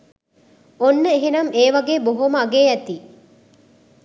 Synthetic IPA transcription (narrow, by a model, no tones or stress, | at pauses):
onːəeɦenɐmeːʋɐɡeːboɦoməɐɡeːæt̪iː